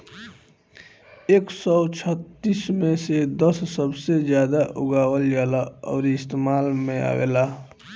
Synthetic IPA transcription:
eːksɔʊt͡ʃʰət̪ːismẽsed̪əsːəbsed͡ʒjad̪aʔʊ̰ɡaːwəljalaɔ̰ːɾiɪst̪emaːlmẽa̰ɡḛla

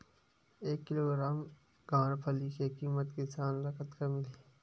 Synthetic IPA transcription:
eːkːɪloːɡɾaːm | ɡãːɽpʰɐlikekiːmət̪kesaːnɾɐkət̪kamɪle

